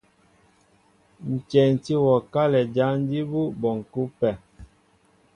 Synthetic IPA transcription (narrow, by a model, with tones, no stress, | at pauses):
n̩˨t͡ʃɛ˨n˨ti˦wɔ˨ka˦lɛ˨d͡ʒa˦n˦di˦bu˦bɔ˨ŋ̩˨ku˦pɛ˨